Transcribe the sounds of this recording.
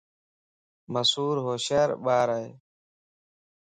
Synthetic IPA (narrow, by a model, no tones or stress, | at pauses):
məsuːɾɦoːʃəːɾɓaːɾaeː